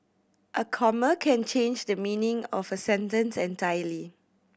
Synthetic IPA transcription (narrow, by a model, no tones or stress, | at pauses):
ʔəkʰɔməkʰɛ̃nt͡ʃẽnd͡ʒdəmĩnĩŋɔfəsɛ̃ntə̃nsɛ̃ntajəli